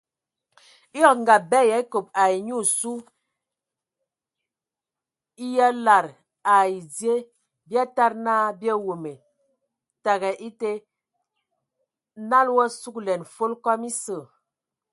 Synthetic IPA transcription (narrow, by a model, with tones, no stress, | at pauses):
jɔ˦kŋ˨ɡa˨bɛ˦ja˨i˦ko˨p̚a˨i˨ɲu˦˨su˦ | i˦ja˦la˨ɾ | a˨i˨d͡zje˦ | bja˦ta˦ɾnaː˦bjɛ˦wo˨me˨ | ta˨ɣɛ˨ʔi˦te˦ | na˦lwɔ˦su˦klɛ˨nfo˦lkɔ˦mi˦sə˨